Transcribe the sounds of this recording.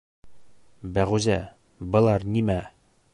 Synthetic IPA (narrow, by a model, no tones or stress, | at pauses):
bæʁʉzæ | bɤ̆lˠɑɾnimæ